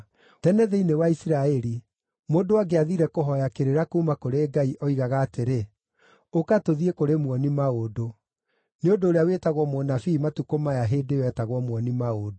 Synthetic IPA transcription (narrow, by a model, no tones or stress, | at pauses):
tɛnɛðeinewaisiɾaɛɾi | moːdowaɡeaðiɾɛkoɦɔjakeɾeɾakumakoɾeɡaiʔɔiɣaɣaːteɾe | okatoðiekoɾemwɔnimaodo | neondoːɾeawetaɣwɔmonafiːmatukomajaɦeːdewɛtaɣwɔmwɔnimaoːdo